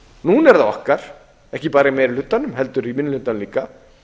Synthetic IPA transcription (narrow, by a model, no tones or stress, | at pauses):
nuːnɛɾθawɔ̰hkaɾ̥ | ɛhcɪpaːɾaimɛɾɪlʏt̪ːanʏmɦɛl̪t̪ʏɾimɪnːʏlʏ̥ht̪ːanliːka